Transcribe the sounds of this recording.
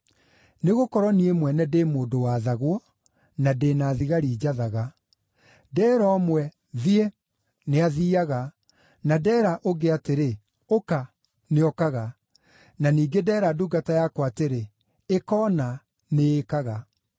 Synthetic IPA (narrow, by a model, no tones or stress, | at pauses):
neɣokɔɾɔniemwɛnɛdemoːdowaːðaɣwɔ | nadenaːðiɣaɾiːd͡ʒaðaɣa | dɛːɾɔːmwɛ | ðie | neaðiaɣa | nadɛːɾaʔoɡeateɾe | oka | neɔkaɣa | naniːɡedɛːɾaduɡatajakwateɾe | ekɔːna | neːkaɣa